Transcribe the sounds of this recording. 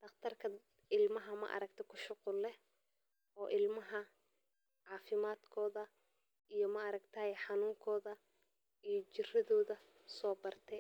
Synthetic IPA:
d̪̥ɐqt̪ʰɐrkʰɐ | ɪlmɐɦɐmɐ̰ʔɐ̰ɾɐkt̪ʰɛkʰʊʃʊqʊlːɛ | ɔːʔɪlmɐɦɐ | ʕɑːfɪmaːd̪kʰɔːðɐ | ijɔmɐːɾɐɡt̪ʰɐɛjħɑnuːŋkʰɔːðɐ | ijɞt͡ʃɪrɪðɔːðɐ | sɔːbɐrt̪ʰɛ

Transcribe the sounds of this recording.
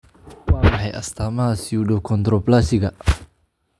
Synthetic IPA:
wamɦajʔa̰st̪amasiudɔkɔnt̪ɾɔplasiɡaʔ

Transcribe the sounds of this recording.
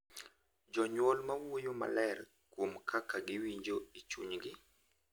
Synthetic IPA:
d͡ʒɔɲwolmawojoma̰lɛɾ | kwomkʰakaɡɪwiɲd͡ʒoit͡ʃuɲɡɪ

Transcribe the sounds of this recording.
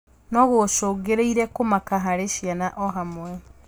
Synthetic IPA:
nɔɣoʃoɡeɾeiɾɛkomakaɦaɾeʃjanaʔɔɦamwɛ

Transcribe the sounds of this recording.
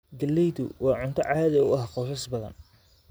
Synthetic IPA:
ɡɐlːɛjd̪ʊwɑːʕʊnt̪ʰɐʕɑːðɐʊʔɐɦqɔːsɐsbɐðɐ̰n

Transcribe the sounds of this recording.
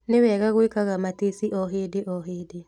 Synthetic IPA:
newɛɣaɣoekaɣamatesiʔɔɦedeʔɔɦeːde

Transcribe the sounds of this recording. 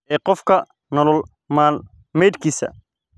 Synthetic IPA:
ɛːqɔfkʰɐ | nɔlɔl | maːl | mɛjd̪kʰiːsɐ̰

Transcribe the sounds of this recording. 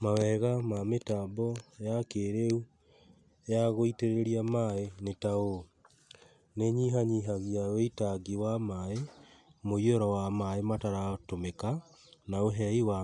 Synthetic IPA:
mawɛɣamametabɔjakeɾeu | jaɣoiteɾeɾiamaenetao | neɲiɦaɲiɦaɣiaweitaɡiwamaemoiɔɾɔwamaemataɾatomeka | naoɦɛiwa

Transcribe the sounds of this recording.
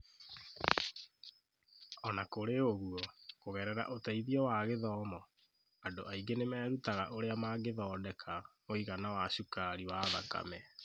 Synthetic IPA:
ɔnakoɾeoɣuɔkoɣɛɾɛɾa̰ʔotaiðiɔwaɣeðɔːmɔ | adoʔaiɡenemɛːɾutaɣaʔoɾeamaɡeðɔːdɛkʰamoiɣanawaʃukaɾiwaða̰ka̰mɛ

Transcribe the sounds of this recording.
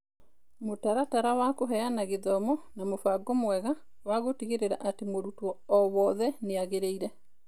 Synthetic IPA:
motaɾataɾawakoɦɛanaɣeðɔmɔnamofaɡɔmwɛɣa | waɣotiɣeɾeɾa̰ʔatemoɾutwɔɔwɔːðɛneaɣeɾeiɾɛ

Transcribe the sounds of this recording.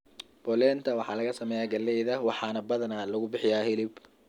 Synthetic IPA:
b̥ɔlɛːnt̪ʰɐwɑħɑːlɐɣɐsɐmɛːjaːɡɐlːɛjðɐwɑħɑːnɐbɐðɐnaːlɐɣʊbɪħɪjaːhɪlɪb

